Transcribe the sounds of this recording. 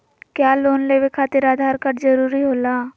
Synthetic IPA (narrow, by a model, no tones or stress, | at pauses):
kjaːloːnleːwekʰaːt̪ɪɾaːd̪ʱaːɾkəʈd͡ʒɐɾuːɾiɦoːlaː